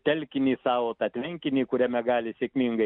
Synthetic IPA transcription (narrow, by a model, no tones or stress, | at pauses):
t̪ɛlkinisawɔt̪at̪ʲmɛŋkʲinikuɾʲɛmɛɡaːlʲisikmiŋɡɐ